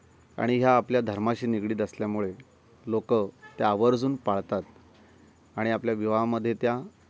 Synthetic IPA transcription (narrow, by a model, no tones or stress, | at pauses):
a̰ɽ̃iɦjaːpljad̪ʱəɾmaɕiːniɡɭiːd̪əsljamuɭe | lokət̪jaːʋəɾd͡zuːnpaɭt̪at̪ | aɽ̃iapljaʋiʋaməd̪ʱːjet̪ja